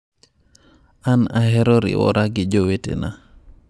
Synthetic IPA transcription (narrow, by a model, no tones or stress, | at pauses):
anaɦɛɾɔɾḭwɔ̰ɾaɡɪd͡ʒowetḛna